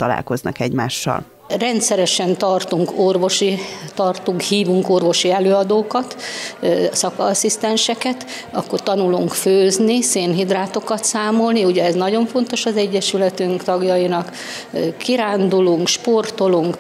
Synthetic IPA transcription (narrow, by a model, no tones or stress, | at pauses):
t̪ɒla̰ːlko̞znɒ̰kɛɟma̰ːʃːɒ̰l | rɛnt̪sɛɾɛʃɛnt̪ɒrt̪uŋkorvo̞ʃit̪ɒrt̪uŋkhiːvuŋkorvo̞ʃiɛløːɒd̪oːkɒt̪ | sɒkːsist̪ɛnʃɛkɛt̪ | ɒkːo̞rt̪ɒnuluŋkføːzniseːnɦid̪raːt̪o̞kɒt̪saːmo̞lniuɟɛɛznɒɟo̞ɱfo̞nt̪o̞ʃɒzɛɟːɛʃylɛt̪yŋkt̪ɒɡjɒinɒk | kːiɾaːnd̪uluŋkʃpo̞rt̪o̞luŋk